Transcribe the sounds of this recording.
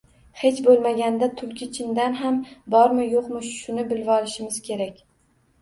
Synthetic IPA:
he̞t͡ʃbolˠmaɡʲand̪at̪ʰʊlkʲɪt͡ʃʰɪnd̪anɦambɒɾmɪjoqmɪʃʃʊnɪbɪlvɒlɪʃɪmɪz̥kʲʰe̞ɾakʲ

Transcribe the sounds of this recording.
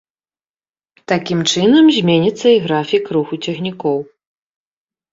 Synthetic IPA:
t̪akʲimt͡ʂɨnɐmzʲmʲenʲit̪sːɐiɣɾafʲikruxut͡sʲɛxnʲikɔw

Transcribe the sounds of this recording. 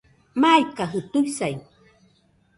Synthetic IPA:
majkaɦɯt̪ujsaj

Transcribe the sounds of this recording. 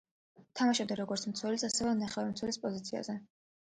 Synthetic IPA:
t̪ʰamaʃab̚d̪aɾɔɡɔɾt̪sʰmt̪sʰwɛlisasɛvɛnaχɛvɛmt̪swɛlispʼɔzit̪sʰia̰zɛ

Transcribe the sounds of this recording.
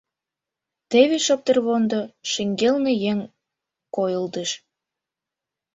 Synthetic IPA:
t̪eβeʃɤp̚t̪ə̆rβond̪oʃĕŋɡelnejeŋ | kojəld̪əʃ

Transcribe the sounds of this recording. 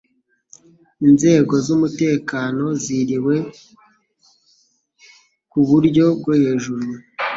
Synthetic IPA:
inze̞ːɡo̞zumute̞ːkaːno̞ziɾiwe̞ | kuβuɾɟo̞b̚ɡohe̞ːʒuɾuu

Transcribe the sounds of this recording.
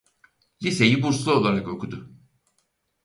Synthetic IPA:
lʲise̞jibuɾslˠuo̞lˠaɾako̞kʰud̪ʊ

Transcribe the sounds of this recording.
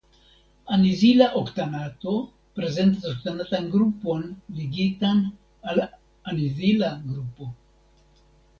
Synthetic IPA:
anizilaʔoktanato̞ | pɾe̞ze̞nt̬asoktanatanɡɾupo̞nliɡitan | al | anizilaɡɾupo̞

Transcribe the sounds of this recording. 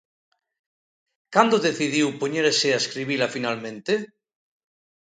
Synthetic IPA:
kand̪oðeθiðiwpoɲeɾeseaeskɾiβilafinalmẽnt̪e

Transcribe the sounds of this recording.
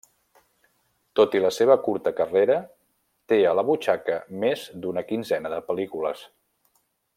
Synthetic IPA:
t̪ot̪iləseβ̞əkuɾt̪əkəreɾə | t̪eələβut͡ʃakəmezd̪unəkinzɛnəðəpəlikuləs

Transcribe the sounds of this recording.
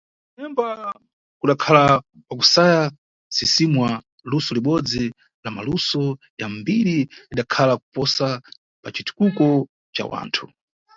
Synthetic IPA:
nɛmba | kuɗakʰala | pak̬usaja | sisimwa | lusɔliɓɔd͡zi | lamalusɔ | jambiɾiiɗakʰalaku̥pɔsa | pat͡ʃitu̥kukɔ | t͡ʃa̰wa̰ːntʰu

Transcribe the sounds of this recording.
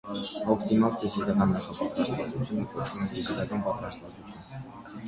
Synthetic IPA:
ɔkʰt̪imɔvk̪izik̪ɑkɑnːɑχɑpɑt̪ɾɑst̪vɑt͡sut͡sʰjunəkɔt͡ʃʰumɛnfizilɑkɑnpɑt̪ɾɑst̪vɑt͡sut͡sʰjun

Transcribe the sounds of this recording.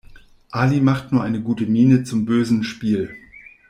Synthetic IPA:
ʔaːlimaχtnuːɐʔaɪnəɡuːtəmiːnət͡sʊmbøːzn̩ʃpiːl

